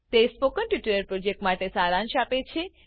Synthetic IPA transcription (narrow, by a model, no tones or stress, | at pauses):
t̪espokənʈuʈiɾəɾpɾod͡ʒek̚ʈmaʈesaɾãnʃapet͡ʃʰe